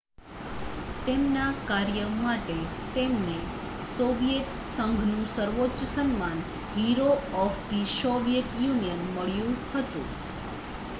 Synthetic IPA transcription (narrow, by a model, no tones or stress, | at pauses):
t̪emnakaɾjəmaʈet̪emne | soʋijet̪ | səŋɡʱnũsəɾʋot͡ʃəsənman | ɦiɾoɔfd̪isoʋijet̪junijənməɭjũhət̪ṵ̃